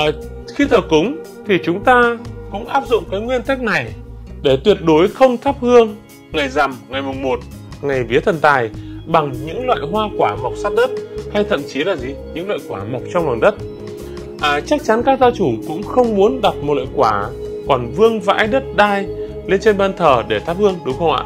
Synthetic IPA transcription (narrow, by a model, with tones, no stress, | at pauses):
ʔəː˨˩ | xi˧t̪ʰəː˨˩kʊ˨˦ŋ͡m | t̪ʰi˨˩t͡ɕʊ˨˦ŋ͡mt̪aː˧kʊ̰˧˥ŋ͡mʔaː˦˥p̚zʊ̰˧˨ŋ͡mkaː˨˦jŋwi˧ənt̪ə˦˥k̚na˨˩jɗe˧˩t̪wi˨˩ət̚ɗo˨˦jxə˧wŋ͡mt̪ʰa˦˥p̚hɨ˧əŋ | ŋa˨˩jza˨˩mŋa˨˩jmʊ˨˩ŋ͡mmo˨˩t̚ | ŋa˨˩jvi˨˦ət̪ʰə˨˩nt̪aː˨˩jɓa˨˩ŋɲɨ̰˧˥ŋlwa̰ː˧˨jɦwaː˧kwaː˧˩ma˨˩wk͡p̚saː˦˥t̚ɗə˦˥t̚ha˧jt̪ʰə̰˧˨mt͡ɕi˨˦laː˨˩zi˨˩ɲɨ̰˧˥ŋlə̰ː˧˨jkwaː˧˩ma˨˩k͡p̚t͡ɕɔ˧ŋ͡mlwaː˨˩nɗə˦˥t̚ | ʔaː˨˩t͡ɕa˦˥k̚t͡ɕa˨˦nkaː˦˥k̚zaː˧wt͡ɕu˧˩ŋ͡mkʊ̰˧˥ŋ͡mxə˧wŋ͡mmu˨˦ənɗa˨˩t̚m˨˩t̚lə̰˧˨jkwaː˧˩kɔ˨˩nvɨ˧əŋva̰ː˧˥jɗə˦˥t̚ɗaː˧j | le˧nt͡ɕe˧nɓaː˧nt̪ʰəː˨˩ɗe˧˩t̪ʰa˦˥p̚hɨ˧əŋɗʊ˨˦ŋ͡mxə˧wʔa̰ː˧˨